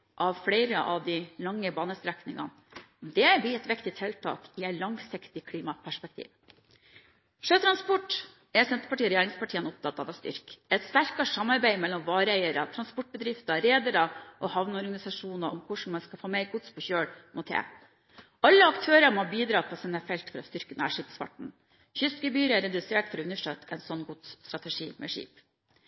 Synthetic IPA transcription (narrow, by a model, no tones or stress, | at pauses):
ʔɑʋfɽæɪɾəʔɑʋd̪ɪlɑŋːəbɑːnəst̪ɾæknɪŋɑ̰n | d̪ɛbɪɛt̪ʋɪkt̪ɪt̪ʰɛlt̪ʰɑ̰ːkɪæɪlɑŋsɪkt̪ɪkʰliːmɑpʰæʂpɛk̚t̪ʰḭːʋ | ʂøːt̪ʰɾɑnspɔʈː | ɛsɛnt̪əɾpɑʈiːɔɾɛjeːɾɪŋspʰɑʈʰiːənɔp̚t̪ʰɑt̪ːɑʋɑst̪ʏ̰ɾkɛt̪st̪æɾkɑʂɑmːɑɾbæɪmɛlːɔmʋɑːɾəæɪəɾət̪ʰɾɑnspɔʈ̚ːbəd̪ɾɪft̪ɑɾeːd̪əɾɑʔoːhɑʋnɔɾɡɑnɪsɑʂuːnɑʔɔmkʰʊʂn̩mɑnskɑfoːmeɪɾɡʊt̪spʰɔçøːɽmɔt̪ʰḛː | ʔɑlːəɑkt̪ʰøːɾəmobiːd̪ɾɑːpʰɔsɪnəfɛlt̪fɔɾɔst̪ʏɾkənæ̰ʂipsfɑ̰ʈɳ̩ | çʏskəbyːɾəɛɾɛd̪ʉseːʈfɔɾɔʉnəʂʈøːt̪ʰɛɪnsɔnːɡʊt̪st̪ɾɑt̪ɛʂiːmʔɛ̰ʂḭːp